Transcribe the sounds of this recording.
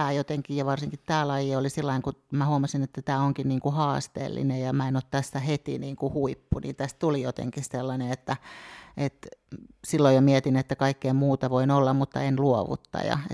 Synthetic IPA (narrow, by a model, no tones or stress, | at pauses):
æːjot̪eŋkijjɑʋɑrsiŋkit̪tæːlɑijeolisilːɑiŋkumæhuomɑsinet̪ːæt̪æːoŋkinniːŋkuhɑːst̪ḛːlːḭnejjɑmæenot̪t̪æsːæhet̪ḭniːŋkuhuipːunḭːnt̪æst̪t̪ulijot̪ḛŋkisselːɑneet̪ːæet̪silːojomiɛt̪inet̪ːækɑikːeːmmuːt̪ɑʋoinolːɑmmut̪ːɑenluoʋṵt̪ːɑ̰jɑ̰e